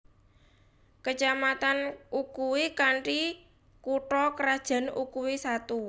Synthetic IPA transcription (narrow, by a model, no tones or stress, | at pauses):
kət͡ʃamat̪anʔukuwikaɳʈi | kuʈɔkəɾad̥ʒ̥a̤nukuwisat̪u